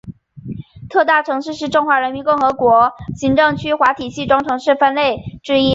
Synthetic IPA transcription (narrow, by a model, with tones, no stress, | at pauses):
t̪ʰɤ˥˧t̪a˥˩ʈ͡ʂʰɤ˧˥ŋʂɻ̩˥˧ʂɻ̩˥˧ʈ͡ʂŋxwa˧˥ɻə˧˥nmi˧˥nkʊ˥˩ŋxɤ˧˥kwɔ˧˥ɕi˧˥ŋʈ͡ʂɤ˥˩ŋt͡ɕʰy˥xwa˧˥t̪ʰi˨˩ɕi˥˩ʈ͡ʂʊ˥ŋʈ͡ʂʰɤ˧˥ŋʂɻ̩˥˩fə˥nle˥˩ɪʈ͡ʂɻ̩˥˧i˥